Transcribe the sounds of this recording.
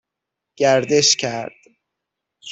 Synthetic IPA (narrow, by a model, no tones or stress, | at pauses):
ɡ̥æɾd̪eʃcʰæɾd̪̥ | s